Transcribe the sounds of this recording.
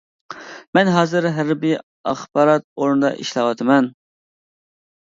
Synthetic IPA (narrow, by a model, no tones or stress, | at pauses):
mɛnɦɑːzɨɾɦæɾbɪ | ɑχbɑːɾɑt̪̚oɾnɨd̪ɑ̰ʔḭʃlˠɑwɑt̪ʰɨmɛn